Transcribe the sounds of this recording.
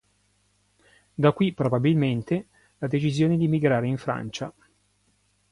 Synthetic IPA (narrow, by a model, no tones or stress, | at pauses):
d̪akːwipɾobabilment̪e | lad̪et͡ʃizjoːned̪imiɡɾaːɾeiɱfɾa̰nt͡ʃa